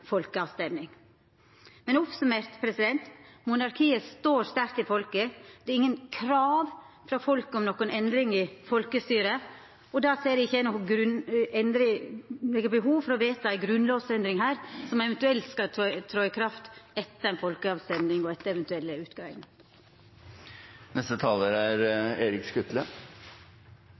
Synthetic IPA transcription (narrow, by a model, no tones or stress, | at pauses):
fɔlkəɑʋst̪ɛmnɪŋ | mɛnɔpsʉmeːɾt̪pʰɾɛsɪd̪ɛnt̪mʊnɑɾkʰiːəst̪oːɾst̪æɾkt̪ɪfɔlkəd̪̥ɛɾɪŋːənkʰɾɑːʋ | fɾɑfɔlkəɔmnɔkʊnɛnd̪ɾɪŋɪfɔlkəst̪yːɾə | ɔd̪ɑːseːɾɪɪçːəænɔɡɾʉnɛnɾɪɛɡəbəɦuːʋfɔɾɔʋeːt̪ɑæɪɡɾʉnloːʋsɛnd̪ɾɪŋɦæːɾsɔmɛʋɛnt̪ʉɛlt̪skɑt̪ʰɾɔːɪkʰɾɑft̪ɛt̪ːənfɔlkəɑʋsɛnd̪ɪŋɔɛt̪ːəɛʋɛnt̪ʉɛlːəʉːt̪ɡ̥ɑʋɪ̰ŋ | nɛst̪ət̪ʰɑːləɾæɾeːɾɪkskʉt̪lə